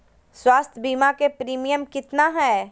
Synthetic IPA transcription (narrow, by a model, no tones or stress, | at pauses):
swaːst̪ʰəbiːmakepɾiːmijəmkɪt̪naɦɛː